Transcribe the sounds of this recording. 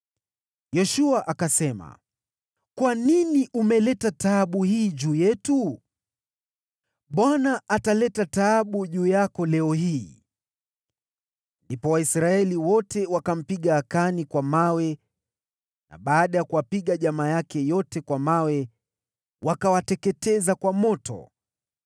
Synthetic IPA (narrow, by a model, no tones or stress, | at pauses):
jɔʃuaʔakasɛma̰ | kwaniniʔumɛlɛtataɓuhiːʄuːjɛtu | ɓwanaʔatalɛtataːɓuʄuːjakɔlɛɔɦiː | ndipɔwaisɾaɛliwɔtɛwakam̩piɠaːkanikwamawɛ | na̰ɓaːɗajakuwapiɠaʄamaːjakɛjɔtɛkwamawɛ | wakawatɛkɛtɛzakwamɔtɔ̰